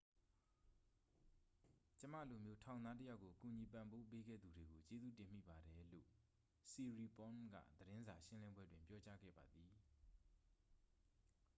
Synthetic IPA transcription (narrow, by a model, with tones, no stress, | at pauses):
t͡ɕə˦ma̰˦˨lo˨mjo˦tʰã˨ʊ̃nd̪a˦t̬ə˦ja˦ʊʔkːo˨ku˨ɲi˨p̬ã˨mbo˦p̬e˦ɡɛ̰˦˨d̪u˨de˨ɡo˨t͡ɕe˦zṵ˦˨tɪ̃˨m̥ḭ˦˨ba˨ɾɛ˨lo̰˦˨ | si˨ɹi˨pɔ̃˦nɡa̰˦˨d̪əɾɪ̃˦nza˨ʃɪ̃˦lɪ̃˦mbwɛ˦dwɪ̃˨mpjɔ˦t͡ɕa˦ɡɛ̰˦˨ba˨d̪ði˨